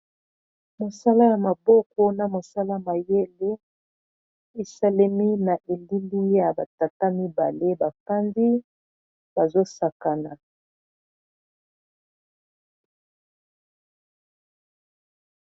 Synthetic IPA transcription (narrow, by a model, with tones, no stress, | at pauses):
mo˨sa˦la˦ja˨ma˨bɔ˦kɔ˦na˨mo˨sa˦la˦ma˨je˦le˦ | e˨sa˦lɛ˦mi˦na˨ʔe˨li˦li˦ja˨ba˨ta˨ta˦mi˦ba˨le˦ba˨ka˦ndi˦ | b̥a˨zo˦sa˨ka˨na˨